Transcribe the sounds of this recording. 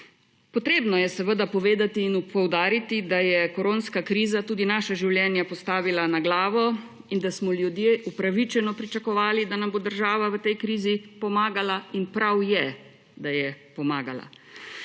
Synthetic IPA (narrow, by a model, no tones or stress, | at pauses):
pɔt̪ɾeːbnɔjɛsɛʋəd̪apɔʋeːd̪at̪iːnupɔwd̪aːɾit̪id̪ajɛkɔɾoːnskakɾiːzat̪uːd̪inaːʃaʒiwljɛnjapɔst̪aːʋilanaɡlaːʋɔ | ind̪asmɔljud̪jeːʔupɾaʋit͡ʃɛnɔpɾit͡ʃakɔʋaːlid̪anambod̪əɾʒaːʋaʋət̪ɛjkɾiːzipɔmaːɡalainpɾawjɛ | d̪ajɛpɔmaːɡala̰